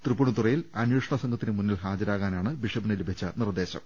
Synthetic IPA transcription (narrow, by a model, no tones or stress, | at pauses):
t̪rɨpːuɳut̪urɐjilɐnjuːʂɐɳɐsɐŋɡʰʱɐt̪ːinɨmunːilɦaːd͡ʑɐɾaːɣaːnaːɳɨbiʂɐbinɐlubʱit͡ɕːɐnird̪e̞ːɕɐ̰m